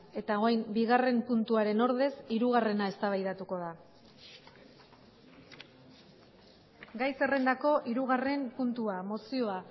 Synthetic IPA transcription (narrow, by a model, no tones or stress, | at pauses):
e̞t̪ao̞ajmbiɣ̞are̞mpunt̪uaɾe̞no̞ɾð̞e̞siɾuɣ̞are̞nae̞st̪aβajðat̪uko̞ða | ɡajse̞re̞nd̪ako̞ʔiɾuɣ̞are̞mpunt̪uamo̞sio̞a